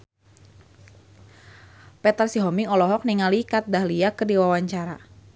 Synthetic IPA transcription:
pɛt̪ərsiɦɔmiŋɔlɔɦɔk̚niŋalikat̪̚dahliakərdiwawaɲt͡ʃaɾa

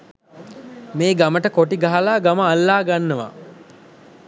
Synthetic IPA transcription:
meːɡaməʈəkoʈiɡaɦalaːɡaməalːaːɡanːəʋa̰

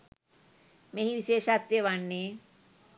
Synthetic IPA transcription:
mẽɦĩʋiʃeːʃaːt̪ɾjeʋaːɳːe

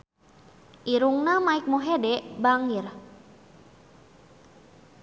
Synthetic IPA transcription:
ʔiɾuŋnamaik̚moɦedɛʔbaŋir

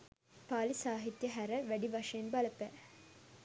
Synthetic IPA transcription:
paːlisaːɦit̪jɐɦæɾəʋæɖiʋɐʂɐjenbɐlɐpæː

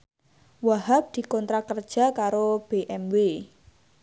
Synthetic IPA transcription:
waɦap̚d̪̥i̤kɔnt̪ɾakərd̥ʒ̥a̤kaɾob̥eʔɛmwe

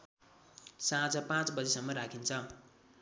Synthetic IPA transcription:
sãd͡zʌpãt͡sbʌd͡zesʌmːʌɾakʰint͡sʰʌ

